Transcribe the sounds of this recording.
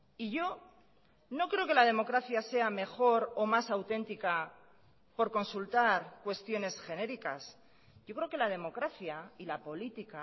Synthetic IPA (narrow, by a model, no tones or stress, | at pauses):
iʝo̞ | no̞kɾe̞oke̞lað̞e̞mo̞kɾaθjase̞ame̞xo̞ɾo̞masawt̪e̞nt̪ika | po̞ɾko̞nsult̪aɾkwe̞st̪jo̞ne̞sxe̞ne̞ɾikas | ʝo̞kɾe̞oke̞lað̞e̞mo̞kɾaθjailapo̞lit̪ika